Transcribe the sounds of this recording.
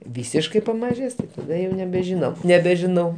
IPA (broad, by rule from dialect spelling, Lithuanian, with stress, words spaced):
ˈʋʲiːsʲɪʃkɐɪ pɐmɐˈʒʲeːs tɐˈdɐ jɛʊ nʲɛbʲɛʒʲɪˈnɐʊ nʲɛbʲɛʒʲɪˈnɐʊ